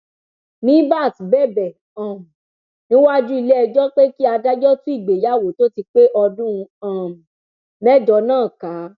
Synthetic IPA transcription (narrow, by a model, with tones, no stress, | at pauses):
mĩ˨˦ba˦˨tbɛ˦˨bɛ˨ | ã˨m˨ | nĩ˨˦wa˦d͡ʒu˦i˧le˦ɛ˧d͡ʒɔ˦k͡pe˦ki˦a˧da˦d͡ʒɔ˦tũ˦i˦˨ɡ͡be˨ja˨˦˨wo˨˦to˦ti˧k͡pe˦ʔɔ˧dũ˦˧ã˨m˨ | mɛ˦˨d͡ʒɔ˧˦nãː˦˨ka˨˦